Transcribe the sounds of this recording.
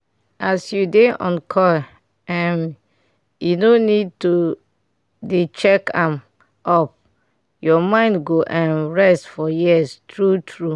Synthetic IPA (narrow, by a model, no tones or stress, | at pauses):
asjudeɔ̰̃nkʰɔ | ɛ̃m | junonid̚tu | det͡ʃɛkãm | ʔɔp̚ | jɔmãɪ̃ndɡoʔãnɹɛstfɔjistɹutʰɹu